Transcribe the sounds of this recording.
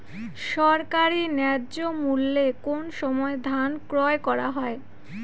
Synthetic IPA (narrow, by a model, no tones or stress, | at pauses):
ʃɔɾkaɾinɛɾd͡ʑomulːekonʃɔmɔed̪ʱankɾɔekɔɾaɦɔe